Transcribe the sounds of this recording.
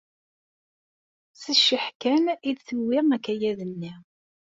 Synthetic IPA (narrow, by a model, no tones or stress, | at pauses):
səʃːəħkæniðθuwːɪʁækːæjæðənːi